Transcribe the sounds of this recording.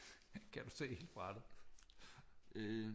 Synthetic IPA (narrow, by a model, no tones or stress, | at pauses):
kʰæd̥use̝̰ːhḛld̥fʁɑd̥ð̩ˠ | ø